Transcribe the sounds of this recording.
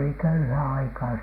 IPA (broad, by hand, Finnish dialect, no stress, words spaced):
oli køyhæː ɑikɑː